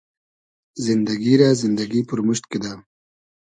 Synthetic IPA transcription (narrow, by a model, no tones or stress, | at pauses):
zɪnd̪aɡiɾazɪnd̪aɡipəɾmʊʃt̪ked̪a